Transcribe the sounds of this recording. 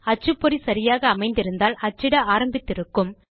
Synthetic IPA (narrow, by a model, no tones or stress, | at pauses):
ɐt͡ʃːɯpːɔɾisɐɾɪjaːɣɐːmɐɪnd̪ɪɾɯnd̪aːlʔɐt͡ʃːɪɽɐaːɾɐmbɪt̪ːɪɾɯkːɯm